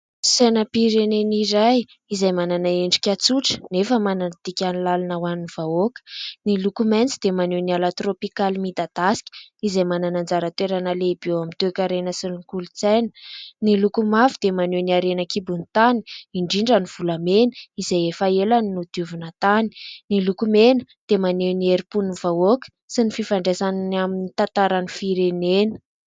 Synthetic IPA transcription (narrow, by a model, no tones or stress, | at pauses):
sanəpiɾeneniɾaj | izajmananaeɳɖ͡ʐi̥kʲat͡suʈ͡ʂə̥nefəmananət̪ikʲanilalanəwaninivaokə̥nilukument͡sid̪emanenialat̪ropikalimid̪ad̪̥asi̥kʲə̥izajmananand͡zaɾət̪eɾanəlebewamit̪ekʲaɾenəsilŋkulut͡sajnə̥nilukumavid̪̥emanewniaɾenəkibunit̪ani̥iɳɖ͡ʐiɳɖ͡ʐəniv̥ulamenə̥izejefaelaninud̪̥uvunət̪ani̥nilukumenə̥ | d̪̥emanewnieɾipunivaokʲə̥ | sinififaɳɖ͡ʐesananaminit̪ant̪aɾanifiɾenenə̥